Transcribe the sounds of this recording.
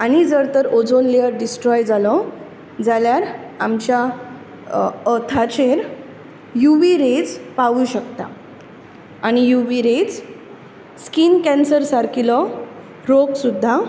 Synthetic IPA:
añid͡zəɾt̪əɾod͡zonleəɾɖisʈɾɔjd͡zalɔ | d͡zaljaɾamt͡ɕja | ət̪ʰat͡ɕeɾ | juʋiɾed͡zpaʋuːɕəkt̪a̰ | añijuʋiɾed͡z | skinkɛ̃nsəɾsaɾkʰilɔ | ɾoɡsud̪ʱːa

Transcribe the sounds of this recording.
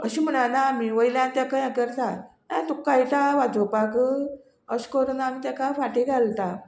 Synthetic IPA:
əɕim̤əɽanaːmiʋəjljãnt̪jakəjãkəɾt̪a | at̪ukːajt̪aʋad͡zopakə | əɕkoɾonaːmit̪akafaʈiɡʱalt̪a

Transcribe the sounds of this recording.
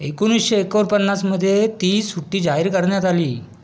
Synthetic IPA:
ekunisɕeekəʋəɾpənːasməd̪ʱːjet̪iːsuʈːiːd͡ʑaɦiɾkəɾɳjat̪aliː

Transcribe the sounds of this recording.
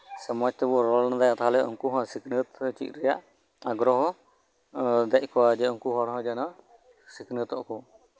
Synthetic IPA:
səmɔd͡ʒt̪ɛbɔɾɔlnad̪ajat̪aɦlɛɔ̰ŋkuɦɔ̃siknət̪t͡ʃḭc̪̚ɾɛjaʔ | aɡɾɔɦɔ | d̪ɛc̚ˀkɔad͡ʒɛuŋkuɦɔɽɦɔ̃d͡ʒana | siknət̪ɔʔkɔ

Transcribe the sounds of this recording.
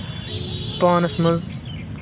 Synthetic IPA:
paːnɐsmɐz

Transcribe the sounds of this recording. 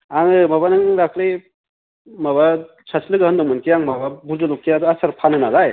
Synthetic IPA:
aŋɯmaβanɯŋɾakʰli | maβa | t͡ʃʰaslɯɡɯhɐndɔŋmɯnkʰijaŋmababuzɯlɔkʰːiad̪uasaɾpʰanɯnalaj

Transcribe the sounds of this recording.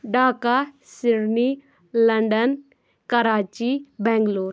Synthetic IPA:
ɖaːka | sɪɾni | lɐɳɖən | kɐɾaːt͡ʃibɛ̃ːŋɡloːɾ

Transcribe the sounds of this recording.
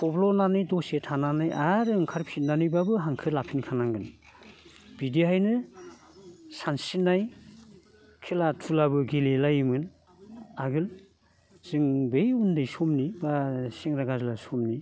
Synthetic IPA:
pʰɔblɔnanɯjdɔsetʰananajʔaɾɯŋkʰaɾpʰitnanɯjbabɯɦaŋkʰɯlapʰinkʰanaŋɡɯn | b̥idiɦajnɯ | sansinːaj | kʰelatʰulabɯɡilelajimɯn | aɡɯl | z̥ɯŋbejundɯjsɔmnibasiŋɾaɡazɯlasɔmni

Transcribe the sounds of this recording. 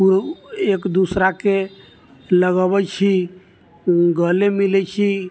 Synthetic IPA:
uɾekd̪usɾake | ləɡəbɛt͡ʃʰi | ɡəlemilɛt͡ʃʰi

